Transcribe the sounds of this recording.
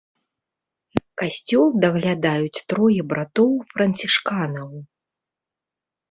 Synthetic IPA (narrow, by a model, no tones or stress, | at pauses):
kasʲt͡sʲɔlˠd̪ɐɣlʲad̪ajut͡sʲt̪ɾɔjɛbɾat̪ɔwfɾɐnt͡sʲiʂkanɐw